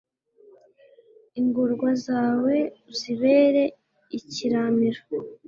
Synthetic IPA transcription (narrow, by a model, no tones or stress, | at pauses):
iŋɡuɾɡwazaːwe̞ziβe̞ːɾe̞ | iciɾamiɾo